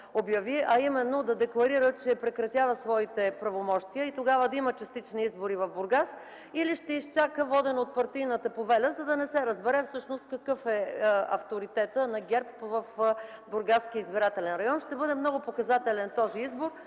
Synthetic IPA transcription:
objɐviʔɐimɛnːod̪ɐd̪ɛklˠɐɾiɾət͡ʃɛpɾɛkɾɐt̪ʲjavəsvɔit̪ɛpɾɐvomɔʃt̪iəit̪oɡavəd̪ɐimət͡ʃɐst̪it͡ʃniizboɾivɐvbʊɾɡas | iliʃt̪ɛist͡ʃakəvɔd̪ɛnot̪̚pɐɾt̪ijnət̪ɐpovɛlʲəzɐd̪ɐnɛsɛɾəzbɛɾɛfsɤʃnost̪̚kɐkɤfɛɐ̰ft̪oɾit̪ɛt̪ənɐɡʲɛɾpvəfbʊɾɡask̟iəizbiɾat̪ɛlɛnɾɐjɔnʃt̪ɛbɤd̪ɛmnɔɡʊpokɐzat̪ɛlɛnt̪ɔziizboɾ

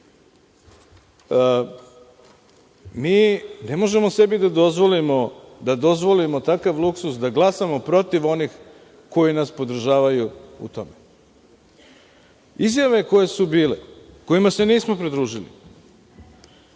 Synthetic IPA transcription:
miːne̞mo̞ʒe̞mo̞se̞bid̪ad̪ozʋolimod̪ad̪o̞zʋo̞limo̞t̪akaʋlˠuksusd̪aɡlˠasamo̞pɾo̞t̪iʋo̞nix | ko̞jinaspo̞d̪ɾ̩ʒaːʋajuṵt̪o̞me | izjaʋe̞ko̞je̞subiːleko̞imase̞niːsmo̞pɾid̪ɾuːʒilḭ

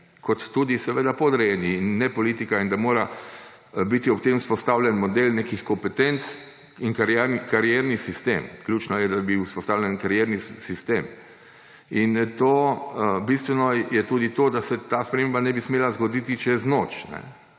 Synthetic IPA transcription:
kɔt̪ːuːd̪isɛʋeːd̪apɔd̪ɾɛjɛniːnːɛpɔliːt̪ikaind̪amoːɾa | bit̪iɔpt̪emuspɔst̪awljɛnmɔd̪elnekixkɔmpɛt̪ɛnt̪s | iŋkaɾɾkaɾjɛɾnisist̪ḛːmklʲjuːt͡ʃnɔjɛd̪abiuspɔst̪aːwlʲjɛnkaɾjɛɾnisist̪eːm | int̪oːbist̪ʋɛnɔjɛt̪uːd̪it̪oːd̪asɛt̪aːspɾɛmembanɛbismeːlazɡɔd̪iːt̪it͡ʃɛznot͡ʃnɛ̰

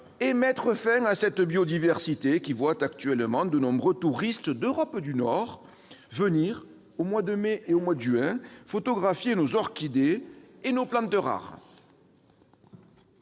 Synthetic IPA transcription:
emɛt̪χəfɛ̃asɛt̪bjod̪ivɛʁsit̪ekʲivwat̪akt̪ɥɛlmɑ̃d̪ənɔ̃bʁøt̪uʁist̪d̪øʁɔpd̪ynɔʁ | vəniʁ | omwad̪əmeʔeomwad̪əʒyɛ̃fot̪ɔɡʁafjenozɔʁkʲid̪eenoplɑ̃t̪əʁa̰ʁ

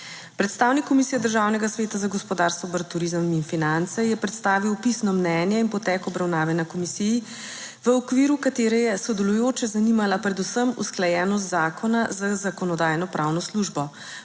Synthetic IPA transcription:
pɾɛt̪st̪awnikːɔmisijad̪əɾʒawnɛɡasʋeːt̪azaɡɔspɔd̪aɾst̪ɔbəɾt̪uɾizəminfinant̪sɛjɛpɾɛt̪st̪aːʋiwpisnɔmnɛnjɛinpɔt̪ɛːkɔbɾawnaːʋɛnakɔmisiji | ʋəɔkʋiɾukat̪eːɾɛjɛsɔd̪ɛlujoːt͡ʃɛzanimalapɾɛd̪usəmṵsklajɛːnɔs̬t̪zaːkʰɔnazazakɔnɔd̪aːjnɔpɾʔawnɔsluʒbɔ

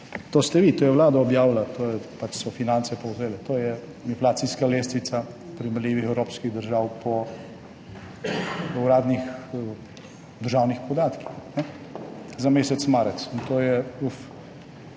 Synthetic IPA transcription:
t̪oːst̪ɛʋiːt̪oːjɛʋlaːd̪aɔbjaːwlat̪oːjɛpat͡ʃsɔfinãntsɛpowzeːlɛt̪oːjɛ | inflaːt̪siskaleːst̪it̪sa | pɾimɛljiːʋixɛwɾoːpskiɣd̪əɾʒaːwpɔ | uɾaːd̪nix | d̪əɾʒaːwnixpɔd̪aːt̪ki̥xnɛ | zameːsɛt̪smaːɾɛt̪sint̪oːjɛuf

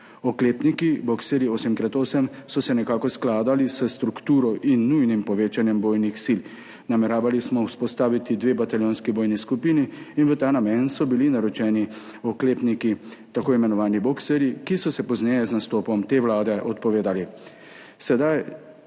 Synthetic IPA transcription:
ɔkleːpnikibɔksɛɾjiosimkɾat̪oːsɛmsɔsɛnɛkaːkɔsklaːd̪alisəst̪ɾukt̪uːɾɔʔinːujnimpɔʋeːt͡ʃanjɛmboːjnixsil | namɛɾaːʋalismɔuspɔst̪aːʋit̪id̪ʋeːbat̪aljoːnskiboːjniskupiːniːnʋət̪aːnamɛnt̪sɔbilinaɾɔt͡ʃɛːni | ɔkleːpnikit̪akoːimɛnɔʋaːnibɔksɛɾjikisɔsɛpɔznɛjɛznast̪oːpɔmt̪eːʋlaːd̪ɛʔɔt̪̚pɔʋeːd̪ali | sɛd̪aj

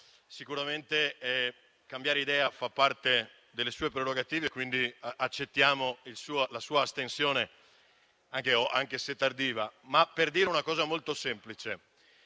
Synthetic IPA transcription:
sikuɾament̪eɛ | kambjaːɾeid̪ɛːafapːart̪e | d̪elːesuːepɾeɾoɡat̪iːvekːwind̪iat͡ʃːet̪ːjaːmoilsuːolasuːaːst̪ensjoːne | aŋkeoʔaŋk̟eset̪ːard̪iːvamapːerd̪iːɾeunakɔːzamolt̪osɛmplit͡ʃe

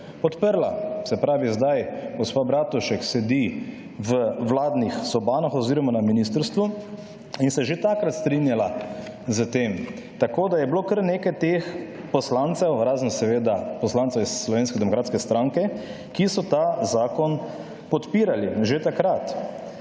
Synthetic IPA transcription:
pɔt̪pəɾlasɛpɾaːʋizd̪ajɡɔspabɾaːt̪uʃɛksɛd̪i | ʋəʋlaːd̪nixsɔbaːnaxɔziːɾɔmanaminist̪əɾst̪ʋu | insɛʒet̪akɾat̪st̪ɾinjalazət̪eːm | t̪akoːd̪ajɛbloːkəɾneːkajt̪eːx | pɔslant̪sɛwɾaːznsɛʋeːd̪apɔslant̪sɛwisːlɔʋeːnskɛd̪ɛmɔkɾaːt̪skɛst̪ɾaŋkɛ | kisɔt̪azaːkɔn | pɔt̪piːɾaliʒet̪akɾat̪

